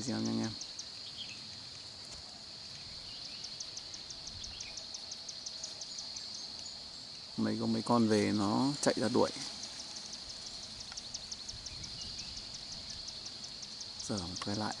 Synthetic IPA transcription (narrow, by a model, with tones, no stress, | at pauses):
zi˧a˧ɲa˧ŋʔɛ˧m | mə˨˦jko˨˦mə˨˦jkɔ˧nve˨˩nɔ˨˦t͡ɕa̰˧˨jʔzaː˧ɗṵ˧˩əj | səː˨˧˩mo˨˩t̚kaː˨˦jla̰ː˧˨j